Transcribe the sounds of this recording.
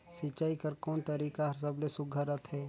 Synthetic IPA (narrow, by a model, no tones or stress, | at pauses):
sit͡ʃaːikəɾkɔːnt̪əɾiːkaɦɐɾs̬əblesʊɡʱəɾət̪ɦɛː